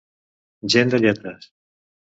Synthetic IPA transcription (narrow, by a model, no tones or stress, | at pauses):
ʒend̪əʎɛt̪ɾəs